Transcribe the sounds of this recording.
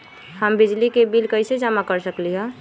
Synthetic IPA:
həmbid͡ʒlikebilkəɪsed͡ʒamakəɾsəkliɦɛ̃

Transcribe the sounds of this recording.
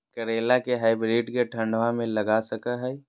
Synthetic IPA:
kəɾeːlakeɦaːɪbɾiːʈkeʈʰə̃ɳɖʋãmẽlɐɡasəkəɦɛ

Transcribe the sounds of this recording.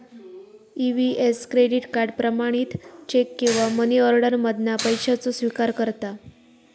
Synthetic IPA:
iʋieskɾeɖiʈkaɾɖpɾəmaɽ̃iːt̪t͡ɕekːĩw̃ʋaməniɔɾɽəɾməd̪ʱnapəjɕat͡sosʋikaɾkəɾt̪a

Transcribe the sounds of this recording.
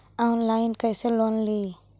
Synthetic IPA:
aʊnlaːɪnkəjseloːnli

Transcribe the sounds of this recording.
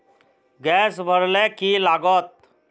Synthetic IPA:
ɡɛsbʱəɾlɛkilaɡət̪̚

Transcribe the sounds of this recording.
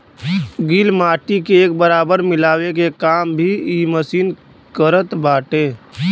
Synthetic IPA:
ɡiːlmaːʈikeeːk̚bəɾaːbəɾmɪlaːwek̬ekaːmbʱiiːməsiːn | kəɾət̪baːʈẽː

